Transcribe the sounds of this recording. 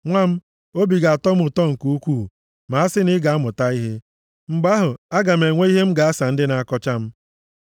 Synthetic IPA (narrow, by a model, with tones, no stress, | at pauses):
ŋʷa˦m̩˦ | o˦bi˨ɡa˨a˨tɔ˦m̩˦ʊ˨tɔ˦ŋ̩˨ku˦u˦kʷuː˦˨ | ma˨a˦sɪ˦nɪ˦ɡa˨a˦mʊ˨ta˦i˦ɦe˦ | ŋ͡m̩˨ɡ͡ba˦ɦʊ˨a˦ɡa˨m̩˨e˨ŋʷe˦i˦ɦe˦m̩˦ɡa˨a˦sa˨n̩˦dɪ˦na˨a˦kɔ˦t͡ʃa˦m̩˦